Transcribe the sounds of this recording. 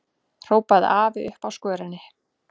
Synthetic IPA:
r̥oːwpaðaːvɪʏhpawskœːɾanːɪ

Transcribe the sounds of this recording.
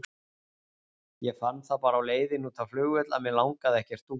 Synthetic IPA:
jɛɣfanːθapaːɾawleːjðɪnuːt̪ʰaflʏːɣvɛt̪la̰ðmjɛlawŋkaðɛhcɛɾ̥t̪u

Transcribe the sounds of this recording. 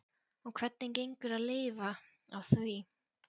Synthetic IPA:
ɔkʰv̥ɛt̪nɪncejŋkʏɾaðlɪːva | awθvi

